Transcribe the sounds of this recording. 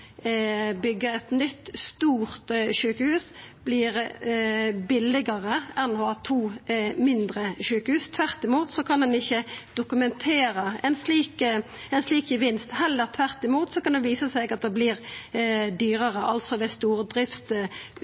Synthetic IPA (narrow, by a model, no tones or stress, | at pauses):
bʏɡːəɛt̪nʏt̪ːst̪uːʁt̪ʃʉːkəhʉːsb̥liːʁ | bɪlɪɡəʁəɛnɔhɑːt̪ʰuːmɪnd̪ʁəʃʉːkəhʉːst̪ʰʋæʁt̪ɪmuːt̪sɔkʰɑnd̪ɛnɪçːəd̪̥ʊkʉmɛnt̪ʰeːɾəɛnsliːkɛnsliːkjəʋɪnst̪hɛlːəɾt̪ʰʋæʁt̪ɪmuːt̪sɔkʰɑnd̪ɛnʋiːsəsɛɡɑt̪̚d̪ɛbliːʁ | d̪yːʁəʁəʔɑlt̪sɔd̪ɛst̪uːʁd̪ʁɪft̪